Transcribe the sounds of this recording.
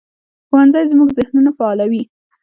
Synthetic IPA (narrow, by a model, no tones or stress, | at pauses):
xowanzajzmuɡzɪhnunafaɑlawi